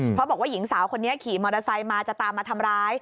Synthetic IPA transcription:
pʰɾɔ˦˥bɔː˨˩waː˥˩ji˩˦ŋsaː˩˦wkʰo˧nːi˦˥ɐkʰiː˨˩mɔː˧ɾa˧sa˧jmaː˧t͡ɕa˨˩t̪aː˧mːaː˧t̪ʰa˧mɾaː˦˥j

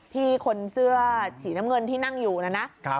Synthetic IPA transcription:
t̪ʰiː˥˩kʰo˧nsɯ˥˩ɐsiː˩˦na˦˥mŋɤ˧nt̪ʰiː˥˩na˥˩ŋjuː˨˩na˦˥na˦˥ʔʰ

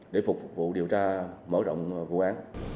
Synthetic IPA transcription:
ɗe˧˩˦fʊ˨˩k͡p̚vṵ˧˨ɗi˨˩əwt͡ɕaː˧məː˧˦ɗɔ̰˧˨wŋ͡mvṵ˧˨ʔaː˨˦n

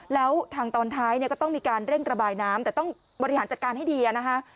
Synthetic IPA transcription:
lɛː˦˥wt̪ʰaː˧ŋt̪ɔː˧nt̪ʰaː˦˥jni˥˩kɔː˥˩t̪ɔ˥˩ŋmiː˧kaː˧nɾe˥˩ŋɾa˧baː˧jnaː˦˥mt̪ɛː˨˩t̪ɔ˥˩ŋ | bɔ˧ɾi˦˧haː˩˦t͡ɕa˨˩kaː˧nha˥˩jdiː˧ʔa˨˩na˦˥kʰa˦˥ʔ

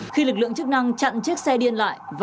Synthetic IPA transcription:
xi˧lɨ˨˩k̚lɨ̰˧˨əŋt͡ɕɨ˦˥k̚na˧ŋt͡ɕa̰˧˨nt͡ɕi˦˥k̚sɛ˧ɗi˧ənla̰ː˧˨jv

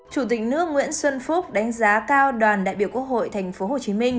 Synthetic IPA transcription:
t͡ɕu˧˩t̪̬ï˨˩k̟̚nɨ̰˦˧˥ək̚ŋwḭ˧˥ənswə˧nfu˦˥k͡p̚ɗa˨˦jŋ̟zaː˨˦kaː˧wɗwaː˨˩nɗa̰ː˧˨jɓi˧˩əwkwək̚ho̰˧˨jt̪ʰa˨˩jŋ̟fo˨˦ho˨˩t͡ɕi˨˦mï˧ŋ̟

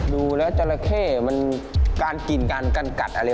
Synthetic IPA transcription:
duː˧lɛː˦˥wt͡ɕa˧la˧kʰeː˥˩ma˧nkaː˧nki˧nkaː˧nka˧nka̰˨˩t̪̚ʔa˧ɾa˧

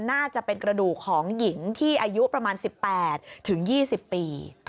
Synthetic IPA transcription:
naː˥˩t͡ɕa˨˩ʔpe˧nkɾa˧duː˨˩kʰːɔː˩˦ŋji˨˩˦ŋt̪ʰiː˥˩ʔaː˧ju˦˥pɾa˧maː˧nsi˨˩pːɛː˨˩t̪̚ʰːɯ˩˦ŋjiː˥˩si˨˩pːiː˧

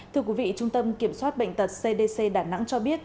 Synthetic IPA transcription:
t̪ʰɨ˧əki˨˦vḭ˧˨t͡ɕʊ˧ŋ͡mt̪ə˧mki˧˩əmswaː˦˥t̚ɓə̰˧˨ŋ̟t̪ə˨˩t̚se˧ɗe˧se˧ɗaː˧˩na̰˧˥ŋt͡ɕɔ˧ɓi˦˥ət̚

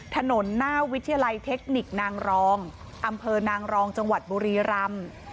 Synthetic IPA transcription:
t̪ʰa˧no˩˦nːaː˥˩wi˦˥t̪ʰːi˧ja˧la˧jt̪ʰe˦˥k̚ni˨˩k̚naː˧ŋɾɔː˧˥ŋ | ʔa˧mpʰɤː˧naː˧ŋɾɔː˧ŋt͡ɕa˧ŋwa˨˩t̪̚buː˧ɾiː˧ɾa˧m

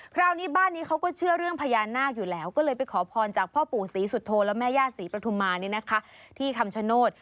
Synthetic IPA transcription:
kʰɾaː˧˩wniː˦˥baː˥˩nːiː˦˥kʰa˦˥wkɔː˥˩t͡ɕʰɯ˥˩əɾɯ˥˩əŋpʰaː˧jaː˧nːaː˥˩k̚juː˨˩lɛː˦˥wkɔː˥˩lɤː˧jpa˧jkʰɔː˩˦pʰɔː˧nt͡ɕaː˨˩k̚pʰɔː˥˩puː˨˩siː˩˦su˨˩t̪ʰːoː˧lɛː˦˥wmɛː˥˩jaː˥˩siː˩˦pɾa˧t̪ʰu˧mːaː˧ni˥˩na˦˥kʰa˦˥t̪ʰiː˥˩k̪ʰa˧mt͡ɕʰa˧˥noː˥˩t̪̚

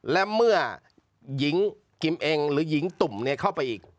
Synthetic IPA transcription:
lɛ˦˥mɯ˥˩ɐ | ji˩˦ŋ | ki˧mʔe˧ŋɾɯː˩˦ji˩˦ŋt̪u˨˩mni˦˥ɐkʰa˥˩wpa˧jʔiː˨˩k̚

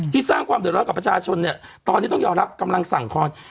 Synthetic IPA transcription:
iː˥˩saː˥˩ŋkʰwaː˧md̪t̚ɾɔ˦˥˩ka˨˩pɾa˧t͡ɕʰaː˧t͡ɕʰo˧nːi˥˩ɐt̪ɔː˧nʰiː˥˩t̪ɔ˥˩ŋjɔː˧mɾa˦˥p̚ka˧mla˧ŋsa˨˩˦ŋkʰɔː˧n

